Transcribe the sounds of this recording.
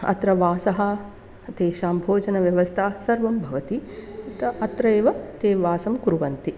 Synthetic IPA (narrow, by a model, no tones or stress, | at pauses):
ɐ̰t̪ɾɐʋaːsɐɦɐ̆ | t̪eːʃaːmbʱoːd͡ʒɐnɐʋjɐʋɐst̪ʰaːsɐɾʋɐmbʱɐʋɐt̪it̪ɐɐt̪ɾɐeːʋɐt̪eːʋaːsɐmkuɾuʋɐnt̪i